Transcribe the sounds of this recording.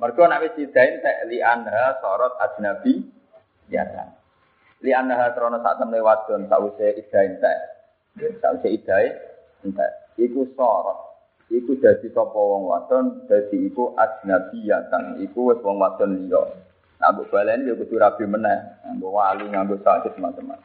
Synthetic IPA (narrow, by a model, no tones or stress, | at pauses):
mərɡ̥ɔnawɪsid̪̥a̤ɪnt̪ɛʔliʔanɦasɔɾɔt̪̚ḁd̪̥i̤nab̥i | ja̰a̰ | lianaɦat̪əɾɔnɔsa̰ʔt̪əmlewat̪ɔnsa̰ʔwiseid̪̥aɪnt̪ɛʔ | sa̰ʔwiseid̪̥a̤ɪ | nt̪ɛ̰ʔikusɔɾɔt̪̚ | ikud̪̥a̤d̪̥i̤sɔpɔwɔŋwa̰t̪ɔnd̪̥a̤d̪̥i̤ikuʔad̪̥i̤nab̥i̤jat̪əŋikuwɪswɔŋwad̪̥ɔnikɔ̰ʔ | ŋa̰boʔb̥alanjokud̪uɾab̥i̤mənɛhŋaŋɡowaluŋaŋɡosaɡ̥ʊsəmat͡ʃəma̰